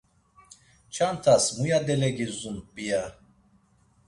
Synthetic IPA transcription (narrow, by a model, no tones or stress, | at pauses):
t͡ʃʰant̪ʰasmujad̪ɛlɛɡizunbija